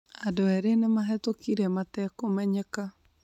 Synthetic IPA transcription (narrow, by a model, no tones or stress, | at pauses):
adoɛɾenemaɦɛtokiɾɛmatɛkomɛɲɛka